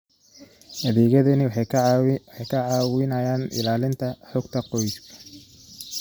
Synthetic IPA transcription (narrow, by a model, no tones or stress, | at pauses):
hɐðɛːɣɐðɐnɪw | wħɑjkʰɐʕɑːwɪnɐjaːnʔɪ̰laːlɪnt̪ʰɐħɔɡt̪ʰɐqɔjɪskʰɐ̥